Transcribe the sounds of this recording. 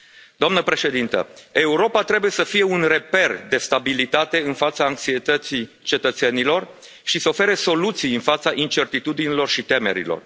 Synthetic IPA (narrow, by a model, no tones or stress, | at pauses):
d̪oamnəpɾe̞ʃe̞d̪int̪ə̰e̞uɾo̞pat̪ɾe̞buje̞səfije̞unre̞pe̞rd̪e̞st̪abilit̪at̪e̞ɨnfat̪saːŋksiet̪ət̪si | t͡ʃe̞t̪ət̪se̞nilo̞r | ʃisəofe̞ɾeso̞lut̪sijɨnfat̪saʔint͡ʃe̞rt̪it̪ud̪inilo̞rʃit̪e̞me̞̰ɾḭlo̰r